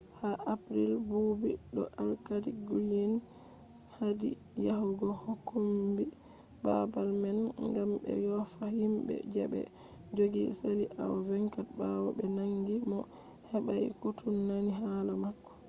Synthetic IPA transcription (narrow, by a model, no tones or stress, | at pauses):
haʔapɾilbubiɗɔ̰ʔalkadiɡuleni | hadḭ | jahuɡɔhokːumbi | babalmɛnŋɡambɛ̰jɔfahimbɛ̰d͡ʒɛbɛ̰ | d͡ʒoɡisaliʔa̰wavɛŋkabawɔbɛnaŋɡimɔ | hɛbajkutʰunːaniɦalamakːɔ̥